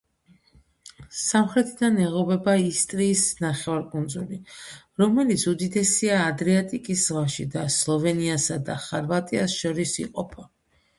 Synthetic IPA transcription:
samχɾɛt̪ʰid̪anɛʁɔbɛbaist̪ʼɾiːsnaχɛvaɾkʼund̪zuli | ɾɔmɛlit̪sʰud̪id̪ɛsiaːd̪ɾiat̪ʼikʼiszʁwaʃid̪aslˠɔvɛniasad̪a̰χaɾvat̪ʼiasʃɔɾisḭqʼɔpʰa

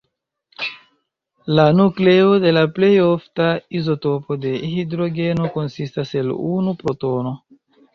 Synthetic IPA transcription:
lanukle̞ode̞laple̞joftaizo̞to̞po̞de̞hidɾo̞ɡe̞no̞ko̞nsistase̞lunupɾo̞to̞no̞

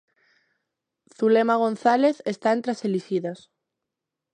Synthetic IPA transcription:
θulemaɣ̞onθaleθest̪aent̪ɾaseliʃiðas

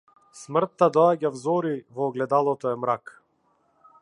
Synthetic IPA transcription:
smr̩t̪ːad̪ɔaɟavzɔɾivɔːɡlɛd̪alˠɔt̪ɔɛmɾak

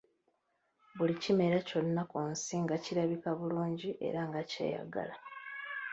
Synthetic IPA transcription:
βulicime̞ɾaco̞nːakuːnsiŋɡaciɾaβikaβuluːɲɟiʔe̞̰ɾaŋɡace̞̰ːja̰ɡa̰la

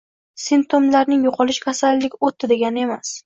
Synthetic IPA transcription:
sɪnp̚t̪ʰomlaɾnɪŋjoqʰɒlˠɪʃkʰʲasalːɪkʲot̪ʰːɪd̪e̞ɡʲanɪe̞mas

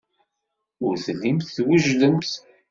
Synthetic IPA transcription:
ʊɾθlimθθwəʒləmθ

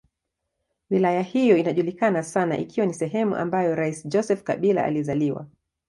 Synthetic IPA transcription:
wilajahijɔinaʄulikanasana̰ʔḭkiwanisɛɦɛmṵʔa̰mbajɔɾaisid͡ʒɔsɛfka̰ɓila̰ʔːlizaliwa̰

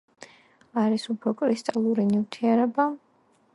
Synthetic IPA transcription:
aɾisupʰɾɔkʼɾist̪ʼalˠuɾinivt̪ʰiɛɾɛba

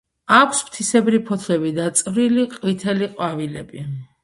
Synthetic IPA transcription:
akʷʰspt̪ʰisɛbɾipʰɔt̪ʰlɛbid̪at̪sʼvɾiliqʼwit̪ʰɛliqʼwavilɛbi

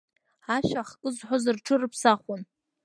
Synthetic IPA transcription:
aʃaχkʼɨzħʷʊzɨrʈ͡ʂʰɨrɨpʰsaχʷʊn

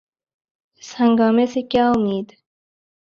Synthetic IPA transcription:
shɐ̃ŋɡaːmesikjaːumiːd̪

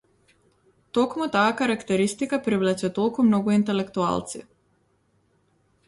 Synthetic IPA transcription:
t̪ɔkmut̪aːkaɾakt̪ɛɾist̪ikapɾivlɛt͡ʃɛt̪ɔlˠkumnɔɡuint̪ɛlɛkt̪ua̰lˠt̪sḭ

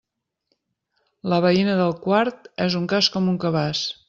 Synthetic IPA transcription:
ləβəinəðəlˠkwaɾt̪ɛzuŋkaskɔmuŋkəβas

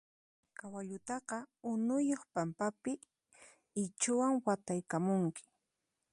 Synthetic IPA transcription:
kawaʎʊt̪ɑqɑʊnʊjoχpampapɪ | ɪt͡ʃʊwaŋwat̪ajkamʊŋkɪ̥

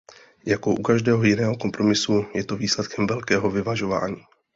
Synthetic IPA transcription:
jako̞ʔukaʒdɛːɦo̞jɪnɛːɦo̞ko̞mpɾo̞mɪsujɛt̪o̞viːslɛt̪kʰɛmvɛlkɛːɦo̞vɪvaʒo̞va̰ːɲiː

